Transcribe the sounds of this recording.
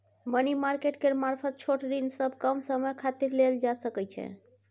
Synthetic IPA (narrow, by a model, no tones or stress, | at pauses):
mənimaɾkeʈkeɾmaɾpʰət̪̚t͡ʃʰoʈɾinsəb̚ʱkəmsəməjkʰat̪iɾleld͡ʒasəkɛt͡ʃʰɛ̰